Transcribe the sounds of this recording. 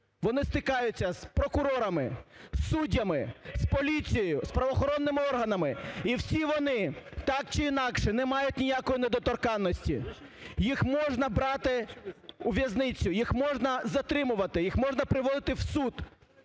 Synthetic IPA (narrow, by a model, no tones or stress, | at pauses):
ʋɔnɪst̪ɪkɑjʊt͡sʲːɐspɾɔkʊɾɔɾɐmɪsːudʲːɐmɪspɔlʲit͡sʲijɔjʊspɾɐʋɔxɔɾɔnːɪmɪɔrɦɐnɐmɪiwsʲiʋɔnɪt̪ɑk̚t͡ʃɪinɑkʃɛnɛmɑjʊtʲnʲijakɔjinɛd̪ɔt̪ɔrkɑnːɔsʲtʲḭ | jixmɔʒnɐbɾɑt̪ɪuʋʲjɐznɪt͡sʲːʊjixmɔʒnɐzɐt̪ɾɪmʊʋɐt̪ɪjixmɔʒnɐpɾɪʋɔd̪ˠɪt̪ɪwsud̪̥